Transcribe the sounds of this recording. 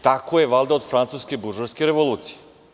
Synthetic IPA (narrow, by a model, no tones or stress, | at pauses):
t̪akojeʋalˠd̪aod̪fɾant̪suske̞buʒoɾskeɾeʋo̞lˠuːt̪sije